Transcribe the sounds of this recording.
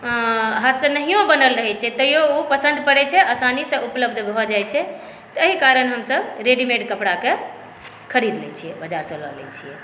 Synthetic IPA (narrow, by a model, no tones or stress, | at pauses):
ɦat̪sənəɦijõbənəlɾəɦɛt͡ʃʰɛt̪əijoupəsə̃nd̪ʱpəɽɛt͡ʃʰɛʔəsanisẽʔupləbd̪ʱb̪bʱɔd͡ʒajt͡ʃʰɛ | t̪əɦikaɾənɦəmsəbɾeɖimeɖkəpɽake | kʰəɾid̪lɛ̰t͡ʃʰijɛbəd͡ʒaɾsə̃lɔ̰lɛ̰t͡ʃʰijɛ̰